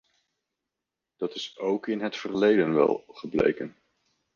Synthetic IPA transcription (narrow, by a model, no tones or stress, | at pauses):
d̥ɑtɪsowkɪnɦətfəɹlejdənʋɛ̰lˠχəblḛjkən